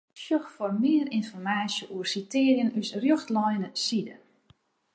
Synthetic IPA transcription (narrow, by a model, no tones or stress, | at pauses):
ʃjøxfɔrmɪəɾinfɔrmaːsjəʔuərsitɪərjənysrjoxtlɔjnəsidə̰